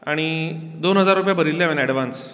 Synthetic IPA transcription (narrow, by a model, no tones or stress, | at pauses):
a̰ɽ̃i | d̪onɦəd͡zaɾupjabəɾilːjaʋẽnɛɽʋant͡s